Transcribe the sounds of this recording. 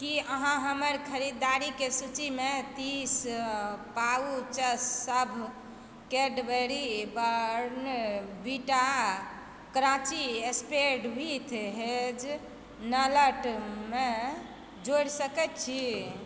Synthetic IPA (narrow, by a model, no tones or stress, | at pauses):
kiəɦãɦəməɾkʰəɾid̪aɾikesut͡ʃimet̪is | paut͡ʃəsːəbʱ | keɖbəɾibəɾɾnbiʈa | kɾãt͡ʃiespeɖbʱit̪ʰɦed͡ʒ | nələʈme | d͡ʒoɽsəkɛt̪t͡ʃʰi